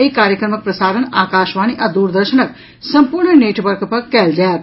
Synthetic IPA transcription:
eikaːɾjəkɾəmək̚pɾəsaːɾənaːkaːʃʋaːñiʔad̪uːɾd̪əɾʃənək̚ | sɐmpuɾɳəneːʈʋəɾkpəkːɛːld͡ʒaː

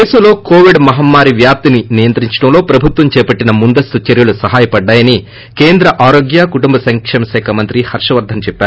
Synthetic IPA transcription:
eːsɐmlo̞ːkoːʋiɖmɐɦɐmːaːɾiʋjaːp̚t̪ininijɐnt̪ɾiɲt͡ʃɐ̥ʈɐmlo̞ːpɾɐbʱut̪ʋɐmt͡ʃɛːpɐʈːinɐmund̪ɐst̪ut͡ʃeɾjulusɐɦaːjɐpɐɖːaːjɐni | keːnd̪ɾɐʔaːɾo̞ːɡjakuʈumbɐsɐŋkʂɐmɐʃɛːkʰɐmɐnt̪ɾihɐɾʂɐʋɐɾd̪ʱɐmt͡ʃɛpːæːɾu

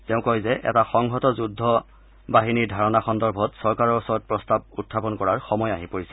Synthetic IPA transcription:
tɛʊ̃kojzɛʔɛ̰taxɔŋɦɔtɔzudʱːɔ | baɦiniɹdʱaɹɔnaxɔndɔɹbʱɔtsɔɹkaɹɔɹɔsɔɹɔt̚pɹɔstab̚utʰːapɔnkɔɹaɹxɔmɔjaɦipoɹisɛ̥

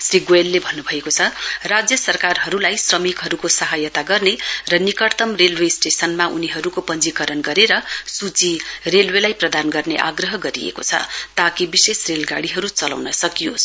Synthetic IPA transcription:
sriɡoelːebʱʌnːubʱʌekot͡sʰʌrad͡zjʌsʌrkarɦʌɾulajsrʌmikɦʌɾukosʌɦajʌt̪aɡʌrnerʌnikʌɽt̪ʌmrelwesʈesʌnmaʔuniɦʌɾukopʌnd͡zikʌɾʌnɡʌɾeɾʌsut͡sirelwelajprʌd̪anɡʌrneʔa̰ɡrʌɦʌɡʌɾiḛko̰t͡sʰʌ̰t̪akibisesrelɡaɽiɦʌɾut͡sʌla̰wnʌsʌkijos

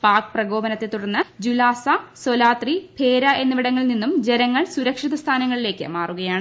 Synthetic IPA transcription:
paːkɨ̥prɐɡo̞ːbɐnɐt̪ːet̪uɽɐnːɨd͡ʑulaːsɐsolaːt̪ripʰe̞ːɾɐʔe̞nːɨʋiɽɐŋːɐɭninːumd͡ʑe̞nɐŋːɐɭsuɾɐkʂiðɐst̪ʰaːnɐŋːɐɭile̞ːkʲːɨ̰maːruɣɐjaːɳɨ

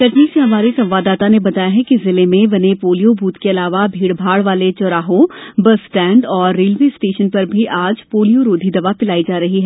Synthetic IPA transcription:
kɐʈniseɦɐmaːɾisɐ̃mʋaːd̪ːaːt̪anebɐt̪aːjaɦɛkizɪlemẽbɐnepoːlijobʱuːt̪keɐlaːʋabʱiːɽbʱaːɽʋaːlet͡ʃɔɾaːɦõbɐsʈɛ̃ːɳɖɔːɾːeːlʋeːsʈeːʃənpɐɾbʱiʔaːd͡ʒpoːlijoɾoːd̪ʱid̪ɐʋapɪlaːid͡ʒaːɾɐɦiɦɛː

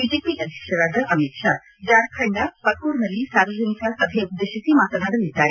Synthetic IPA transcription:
id͡ʒepiʔɐd̪ʱjɛkʂɐɾaːd̪ɐʔɐmikʂa | d͡ʒaɾkʰɐɳɖapɐk̚kuːɾnɐlːisaɾʋəd͡ʒɐnikasɐbʱeup̚d̪eʃɐsimaːt̪ɐd̪ʱaɽɐlid̪ːaːɾe

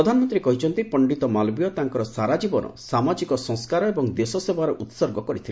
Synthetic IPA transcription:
ɔd̪ʱanɔmɔnt̪ɾikɔɦit͡ʃʰɔnt̪ipɔɳɖit̪ɔmalbijɔt̪aŋkɔɾɔsaɾad͡ʒibɔnɔ̰samad͡ʒikɔsɔ̃ŋskaɾɔebɔŋd̪esɔsebaɾɔʔut̪sɔɾɡɔkɔɾit̪ʰil

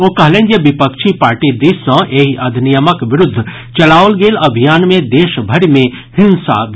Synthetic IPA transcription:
oːkɐɦlẽːnd͡ʒeʋɪpəkʃʰipaːɾʈid̪iːsə̃ʔeːɦiʔɐd̪ʱnijəməkʋɪɾʊd̪ʱː | t͡ʃɐlaːʋəlɡeːlɐbʱijaːnmẽd̪eːʃbʱɐɽimẽ | hɪ̃nsa̰ɡ

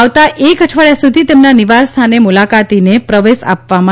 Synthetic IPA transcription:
ʋt̪aʔeɡʱəʈʰʋəɭjasud̪ʱit̪emnaniʋast̪ʰanemulakat̪inepɾəʋesa̰pʋamã

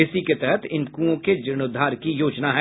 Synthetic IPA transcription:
ɪsiket̪ɛɦɛt̪ʰɪ̃nkũːõked͡ʒɪñʊd̪ʱːaːɾkijoːd͡ʒnaɦɛː

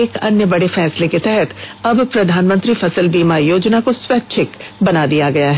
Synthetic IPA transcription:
eːkɐnjəbɐɽefɛːsleket̪ɛɦɛt̪ɐbpɾɐd̪ʱaːnmə̃nt̪ɾifɐsəlbiːmajoːd͡ʒnakoswɛːt̪̚ːt͡ʃʰɪkbɐnad̪ijaɡɐjaɦɛ

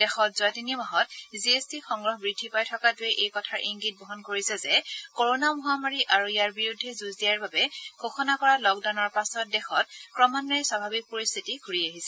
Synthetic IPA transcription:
dɛxɔt̚zɔatinimaɦɔtziestixɔŋɡɹɔɦbɹidʱːipajtʰɔkatueɛʔejkɔtʰaɹʔiŋɡit̚bʱɔɦɔnkoɹisɛzɛkoɹonamɔɦamaɹiʔaɹuijaɹbiɹudʱːɛzuzdijaɹbabɛɡ̥ʱoxʰɔnakɔɹalɔk̚dawnɔɹpasɔt̚dɛxɔt̚kɹɔmanɔɹɛswabʱabik̚poɹist̪ʰitiɡʱuɹiaɦisɛ

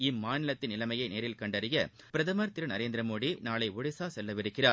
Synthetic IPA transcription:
ɪmːaːnɪlɐt̪ːɪnɪlɐmɐjɐɪneːɾɪlkɐɳɖɐɾɪjɐ | pɪɾɐðɐmɐɾt̪ɪɾɯnɐɾeːnd̪ɪɾɐmoːɽinaːlɐɪʊɽɪsaːsɛlːɐʋɪɾɯkːɪraː

